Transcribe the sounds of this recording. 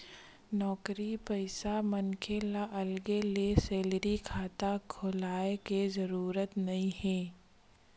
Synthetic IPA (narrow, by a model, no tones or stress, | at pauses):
nɔːkɾipəɪsamɐnkʰelaʔɐlɡeleseːlɾikʰaːt̪akʰʊlaːekezɐɾuːɾət̪nɐɦĩɦɛ̃ː